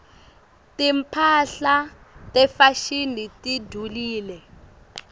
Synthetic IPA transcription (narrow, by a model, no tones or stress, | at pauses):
timpʰaɬa | tɛfaʃinitidʱuliːlɛ